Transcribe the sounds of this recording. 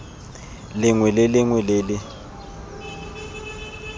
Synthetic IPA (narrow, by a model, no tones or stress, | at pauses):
lɪŋwɛlɪlɪŋwɛleːlɪ